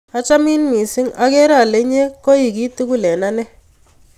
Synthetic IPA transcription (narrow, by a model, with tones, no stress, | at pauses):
a˦t͡ʃa˦mi˦nmi˨sɪ˦ŋa˦kɛ˦ɾa˦˨le˦ɲe˦ko˦i˨ki˦tu˦ku˦lɛ˨na˦nɛ˦